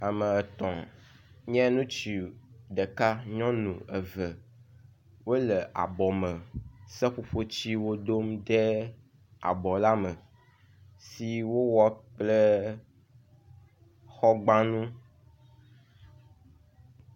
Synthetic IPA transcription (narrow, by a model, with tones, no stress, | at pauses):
a˨mə̃˨ɛ˨t̪ɔ̃˨ | ɲɛ̃˦nũ˦t͡ɕi˨ɖə˨ka˦ɲɔ̃˦nṵ̃˨ə˨və˨ | wo˦lə˨ʔa̰˨bɔ˨mə̃˨sɛ˦ɸo˦ɸo˦t͡ɕi˦wo˦do˦mɖɛ˦ | a̰˨bɔ˨la˦mə˨ | si˦wo˦wɔ˦k͡ple˦ | xɔ˦ɡ͡bã˦nũ˦